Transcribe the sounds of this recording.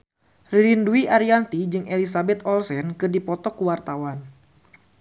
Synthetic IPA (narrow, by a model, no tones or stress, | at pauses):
riɾinduiʔaɾiant̪id͡ʒɨŋʔelisabɛt̪ɔlsɛnkɨrdipɔt̪ɔkuwart̪awan